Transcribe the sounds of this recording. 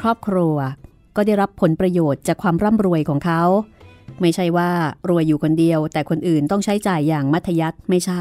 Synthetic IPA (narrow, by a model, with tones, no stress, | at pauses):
kʰɾɔː˥˩p̚kʰɾuː˧ɐ | kɔː˥˩da˥˩jɾa˦˥pʰːo˩˦npɾa˧joː˨˩t̪̚t͡ɕaː˨˩kʰwaː˧mɾa˥˩mɾu˧əjkʰɔː˩˦ŋkʰa˦˥wma˥˩jt͡ɕʰa˥˩jwaː˥˩ɾu˧əjːuː˨˩kʰo˧ndi˧əwt̪ɛː˨˩kʰo˧nʔɯː˨˩nt̪ɔ˥˩ŋt͡ɕʰa˦˥jt͡ɕaː˨˩jːaː˨˩ŋma˦˥t̪ʰːa˧ja˦˥t̪̚ma˥˩jt͡ɕʰa˥˩